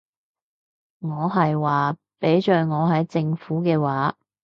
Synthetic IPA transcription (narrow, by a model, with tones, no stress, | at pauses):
ŋɔː˨˧ɦɐ˨jwaː˨ | pe˨˥jt͡ʃœː˨ŋɔː˨˧ɦɐ˨˥jt͡sɪ˧ŋfuː˨˥kɛː˧waː˨˧